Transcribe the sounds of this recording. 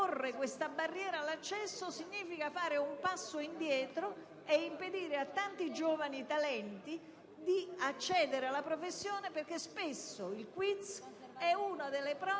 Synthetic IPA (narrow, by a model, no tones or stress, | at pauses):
orːekwest̪abarːjɛːɾalat͡ʃːɛsːosiɲːiːfikafaːɾeumpasːoind̪jɛːt̪ɾo | eimped̪iːɾeat̪ːant̪id͡ʒoːvanit̪alɛnt̪i | d̪iat͡ʃːɛːd̪eɾealːapɾofesːjoːneperk̟espesːoilkwit̪sɛuːnad̪elːepɾɔː